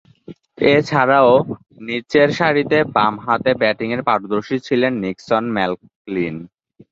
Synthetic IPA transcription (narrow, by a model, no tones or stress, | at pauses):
et͡ɕʰaɾao | nit͡ɕeɾʃaɾit̪ebamɦat̪ebɛʈiŋeɾpaʈod̪oɾʃit͡ɕʰilenːiksonmɛl | lin